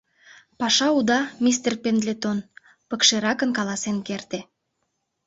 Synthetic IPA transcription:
pɑʃɑud̪ɑmis̬t̪erpend̪lʲet̪on | pəkʃeɾɑkənkɑlɑsenkert̪e

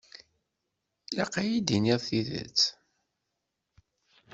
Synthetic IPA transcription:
lɑqajid̪iniðθiðə̰t͡s

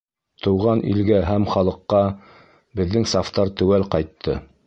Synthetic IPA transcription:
t̪ʰɤ̆wʁɑnʔḭlɡæɦæmχɑlˠɤ̆qːɑ | bɘ̆ðːɘŋsaft̪ɑɾt̪ɵ̆wælqɑjt̪ʰːɤ

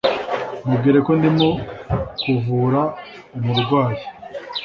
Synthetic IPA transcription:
mub̚ɡiːɾe̞ko̞ndimokuvuːɾa | umuɾɡwaːje̥

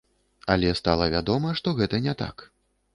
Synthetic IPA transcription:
ɐlʲɛst̪alˠɐvʲad̪ɔmɐʂt̪ɔɣɛt̪ɐnʲɛt̪a̰k

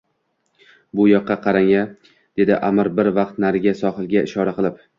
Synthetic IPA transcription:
bʊjɒqːɑqʰɑɾaŋa | d̪̥e̞d̪ɪʔamɪɾbɪɾvɑq̚t̪naɾɪɡʲasɒχɨlˠɡʲaɪʃɒɾaqɨlˠɪp̚

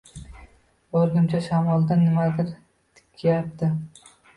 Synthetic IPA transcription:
bɒɾɡʲɪmt͡ʃʰaʃamɒlˠd̪anːɪmad̪ɪɾ | t̪ʰɪ̥kʲʰːjap̚t̪ɪ

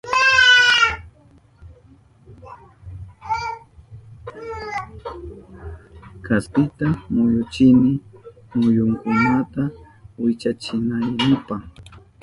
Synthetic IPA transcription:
kaspɪt̪amʊjʊt͡ʃɪnɪ | mʊjʊŋkʊnat̪a | wɪt͡ʃat͡ʃɪnajnɪpaχ

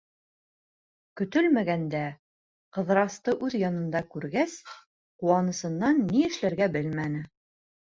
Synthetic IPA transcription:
kɵ̆t̪ɵlmæɡænd̪æ | qɤ̆ðɾɑst̪ɤʔʉðjɑnɤ̆nd̪ɑkʉɾɡæs | quwɑnɤ̆sɤ̆nːɑnːiɘ̆ʃlæɾɡæbɘlmænɘ

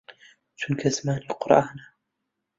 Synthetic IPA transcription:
t͡ʃʊnkasmaːniqʊɾʔaːna

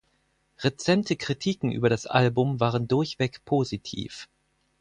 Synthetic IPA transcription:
ʁet͡sɛmtəkʁ̥itʰiːkŋ̩ʔy̰ːbɐɾasʔalbʊmvaːʁ̞əndʊɐçv̥ɛkpʰoːzitʰḭːf

